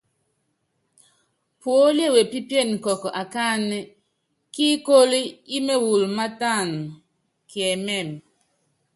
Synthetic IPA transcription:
pwo˨˦le˦˨we˨pi˦pe˦˨n̩˨kɔ˨kɔ˨ʔa˨ka˦nɛ˦ | ki˦ko˦li˦i˦me˦wu˨lma˦ta˦˨n | kjɛ˨mɛ˦˨m

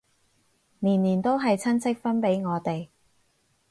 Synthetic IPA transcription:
niː˨˩nniː˨˩nt̪o˥wɦɐ˨jt͡sʰɐ˥nt͡sʰɪ˥k̚fɐ˥npe˨˥jŋɔː˨˧t̪e˨j

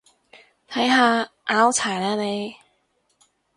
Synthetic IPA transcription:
t̪ʰɐ˨˥jɦaː˧ | ʔaː˨˥wt͡sʰaː˨˩jlaː˧ne˨˧j

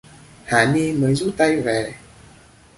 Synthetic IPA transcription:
haː˨˩ni˧məː˨˦jzṵ˦˥t̚t̪a˧jve˨˩

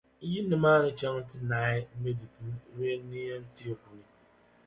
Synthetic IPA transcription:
ji˦nɪ̃˨maː˦˨nɪ˦t͡ʃa˦ŋ̩˦tɪ˦naː˨˦ɪ˦me˦di˨ti˨n˦ɾe˦nĩ˦a˦n̩˦ti˦e˦˨ku˨nĩ˨

